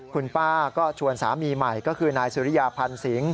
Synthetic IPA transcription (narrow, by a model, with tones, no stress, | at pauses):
kʰu˧npaː˥˩kɔː˥˩t͡ɕʰu˧ənsaː˩˦miː˧ma˨˩jkɔː˥˩kʰɯː˧naː˧jsuː˨˦ɾi˦˥˩jaː˧pʰa˧nsi˩˦ŋ